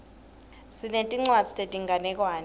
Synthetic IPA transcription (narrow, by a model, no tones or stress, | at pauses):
sinentʼiŋ͡ǀwḁd͡zʱi̥tʼetʼiŋɡʱanɛk̬ʼwaːn